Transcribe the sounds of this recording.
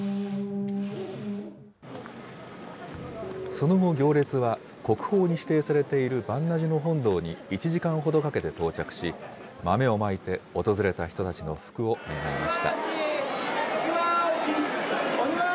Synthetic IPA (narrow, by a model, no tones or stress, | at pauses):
so̞no̞ɡo̞ɡʲo̞ːɾʲe̞t͡sɨβa | ko̞kɯ̟̥ho̞ːɲ̟iɕi̥t̪e̞ːsaɾe̞t̪e̞iɾɯ̟bãnːaʑino̞ɦõ̞nd̪o̞ːɲ̟iit͡ɕiʑikãɰ̃ɦo̞d̪o̞kake̞t̪e̞t̪o̞ːt͡ɕakɯ̟̥ɕi | mame̞o̞mait̪e̞o̞t̪o̞zɨɾe̞t̪açi̥t̪o̞t̪at͡ɕino̞̰ɸɯ̥kɯ̟o̞me̞ɡaimaɕi̥t̪a̰